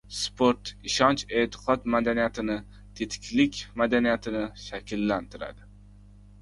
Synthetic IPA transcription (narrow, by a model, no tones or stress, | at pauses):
spʰoɾt̪ɪʃɒnt͡ʃe̞t̪ʰɪ̥qʰɒt̪mad̪anijat̪ʰɪnɪ | t̪ʰet̪ʰɪ̥kʲlɪkʲmad̪anijat̪ʰɪnɪʃakʲʰɪlːant̪ʰɪɾa̰d̪ɪ